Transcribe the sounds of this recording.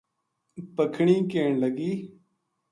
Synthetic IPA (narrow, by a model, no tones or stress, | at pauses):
pəkʰɳĩːkeːɳləɡiː